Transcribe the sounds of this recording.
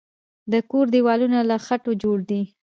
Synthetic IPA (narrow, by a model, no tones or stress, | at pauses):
d̪əkoɾd̪iwɑlunalaxaʈod͡ʒoɽd̪i